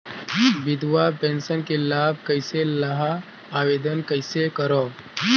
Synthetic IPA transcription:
ʋid̪ʋapẽnsənkelab̚kəjselɐɦaː | ʋed̪ənkəjsekəɾɔ

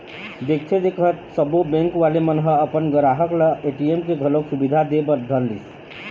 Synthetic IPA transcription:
d̪ek̚ʰt̪ʰed̪ekʰət̪səbobɛ̃ŋkʋalemənɦəəpənɡəɾaɦəkləeʈiemkeɡʱəloksubid̪ʱad̪ebəɾd̪ʱəlːis

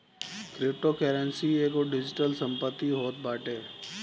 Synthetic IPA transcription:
kɾɪp̚ʈoːkeːɾɛnsieːkoɖɪd͡ʒɪʈəlsə̃mpət̪ːiɦoːt̪̚baːʈeː

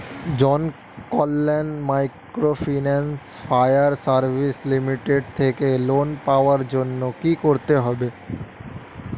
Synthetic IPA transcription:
d͡ʑɔn | kɔlːenmajkɾofinansfajaɾsaɾbʱislimiʈeɖ̚t̪ʰekelonpaoaɾd͡ʑonːokikoɾt̪eɦɔbe

